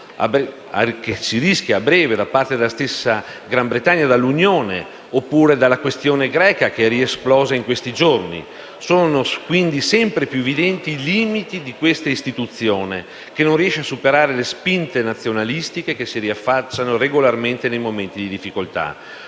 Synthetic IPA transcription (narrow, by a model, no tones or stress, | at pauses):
a̰b | akesiɾisk̟jaːbɾɛːved̪apart̪ed̪alːast̪esːa | ɡɾambɾet̪aɲːad̪alːunjoːne | opːuːɾed̪alːakwest̪joːneɡɾɛːkakeɛriesplɔːzaiŋkwest̪id͡ʒornḭ | soːnokwind̪isɛmpɾepjuevid̪ɛnt̪iːliːmit̪id̪ikwest̪aist̪it̪ut̪sːjoːne | kenõnriɛʃeasupeɾaːɾelespint̪enat̪sːjonalist̪ikekesiɾiafːat͡ʃːanoreɡolarment̪enejmoment̪id̪id̪ifːikolt̪a̰